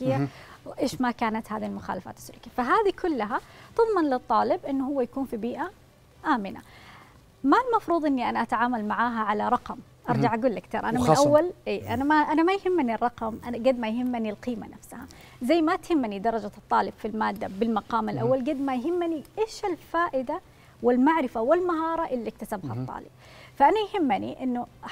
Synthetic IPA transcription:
kɪjːa | wʔeːʃmakaːnat̪haːðilmʊxa̰ːlafa̰ːt̪ɪ̥sːʊlːkijafaɦaːðikʰʊlːaɦat̪ɨðˤmɑnlɨt̪ˤːɑːlɪbʔɪnːhʊwːajakuːnfibiːʔa | ʔaːmɪna̰ | malmɑfɾˤuːðˤʔɪnːiʔanaʔat̪ʕaːmalmaʕaːɦaʕalaɾˤɑqɑm | ʔɑɾˤd͡ʒaʕʔaɡuːlʔakt̪iːɾˤʔanamɪnʔawːalʔiːʔanamaʔanamajhɪmːɪnirˤːɑqɑmʔaɡad̪majɦɪmːʔɪniɪlqiːma̰nafsha̰ | zajːmat̪hɪmːnid̪ɑɾˤɑd͡ʒat̪ˤːɑːlɪb̥filmaːd̪ːabɪlmɑqɑːmɪlʔawːalɡad̪majɦɪmːniʔeːʃɪlfaːʔɪd̪a | wɪlmaʕɾɪfawɪlmaɦɑːɾˤɑʔɪlːak̚t̪asabhɑt̪ˤːɑ̰ːlɪb̥̚ | faʔanajhɪmːaniʔɪnːʊ

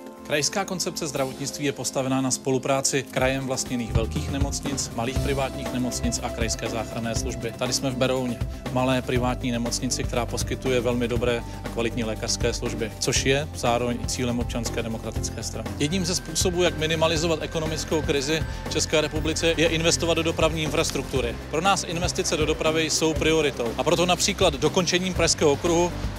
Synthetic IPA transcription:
kɾajskaːko̞nt͡sɛp̚t͡sɛzd̪ɾavo̞t̪ɲɪt͡st̪viːjɛpo̞st̪avɛnaːnaspo̞lupɾaːt͡sɪkɾajɛmvlast̪ɲɛniːxvɛlkiːxnɛmo̞t͡sɲɪt͡smaliːxpɾɪvaːt̪ɲiːxnɛmo̞t͡sɲɪt͡sʔakɾajskɛːzaːxɾanɛːsluʒbɪt̪adɪsmɛvbɛɾowɲɛ | malɛːpɾɪvaːt̪ɲiːnɛmo̞t͡sɲɪt͡sɪkt̪ɛɾaːpo̞skɪt̪ujɛvɛlmɪdo̞bɾɛː | ʔakvalɪt̪ɲiːlɛːkar̥skɛːsluʒbɪt͡so̞ʃjɛz̥aːɾo̞vɛɲt͡siːlɛmop̚t͡ʃanskɛːdɛmo̞kɾat̪ɪt͡skɛːst̪ɾanɪjɛdɲiːmzɛspuːso̞buːjakmɪnɪmalɪzo̞vat̪ʔɛko̞no̞mɪt͡sko̞wkɾɪzɪft͡ʃɛskɛːɾɛpublɪt͡sɛjɛʔɪnvɛst̪o̞vad̪dodo̞pɾavɲiːɪnfɾast̪ɾuk̚t̪uɾɪpɾo̞naːsʔɪnvɛst̪ɪt͡sɛdo̞do̞pɾavɪjso̞wpɾɪo̞ɾɪt̪o̞wʔapɾo̞t̪̬o̞napr̥iːklad̪do̞ko̞nt͡ʃɛɲiːmpɾaʃskɛːɦookɾuɦu

